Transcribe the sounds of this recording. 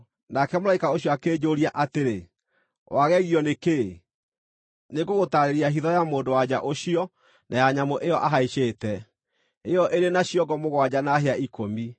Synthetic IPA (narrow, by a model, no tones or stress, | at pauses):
nakɛmoɾaikaoɕiɔakeːd͡ʑoːɾiaʔateɾe | waɣɛɣiɔneke | neɡoɣotaɾeɾiaɦiðɔjamoːndowad͡ʑaʔoɕiɔ | nʔajaɲamoʔejɔʔaɦaiɕeːtɛ | ejɔʔeɾenaɕiɔɡɔmoɣwad͡ʑanaɦeaikomi